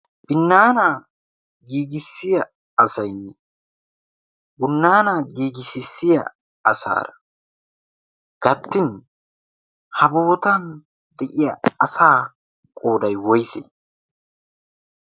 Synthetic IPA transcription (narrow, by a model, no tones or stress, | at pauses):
b̥ɪnːaːnaː | ɡiːɡɪsːɪjɐ | ɐsɐjnɛ | bʊnːaːnaːɡiːɡɪsɪsːɪjɐ̰ | ɐsa̰ːɾɐ̥ | ɡ̥ɐt̪ːɪn | hɐbo̞ːt̪ɐn | d̪̥ɛʔɪjɐɐsaː | kʼo̞ːd̪ɐjwɔjsɛ̰